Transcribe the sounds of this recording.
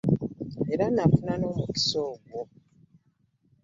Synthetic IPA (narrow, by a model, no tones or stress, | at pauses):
e̞ɾanafunanomuki̥soːɡwo